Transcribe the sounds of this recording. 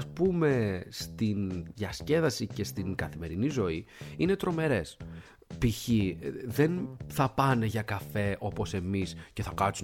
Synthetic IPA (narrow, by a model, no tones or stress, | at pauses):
spume̞st̪inʝɐsce̞ðɐsice̞st̪iŋɡɐθime̞ɾinizo̞iine̞t̪ɾo̞me̞ɾe̞s | piçiðe̞nθɐpɐne̞ʝɐkɐfe̞ʔo̞po̞se̞misce̞θɐkɐsu